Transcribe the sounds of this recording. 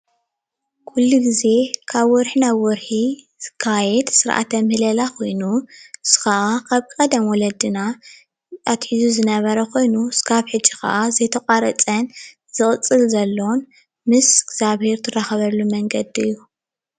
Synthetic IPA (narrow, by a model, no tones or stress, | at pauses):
kʰulːuɡize̞kʰaβwɔɾħinaβwɔɾħizɨkʰajɛd̪sɨɾʔa̰t̪ʰɐmɨhlɐlakʰo̞jnuɨz̥ɨ̥kaʔakʰaβkʼɐd̪ɐmwɔlɐd̪ɨna | at̪ħizuzɨnɐβɐɾɐkʰo̞jnukʰaβħɨd͡ʒːixa̰ʔazɐjt̪ʰɐkʼaɾɐt͡sʼɐn | z̥ɨχʼɨt͡sʼːɨlzɐlːon | mɨsɡz̥aβhe̞ɾt̪ʰɨɾaxɐβɐlːumɐŋɡɐd̪iɨjːu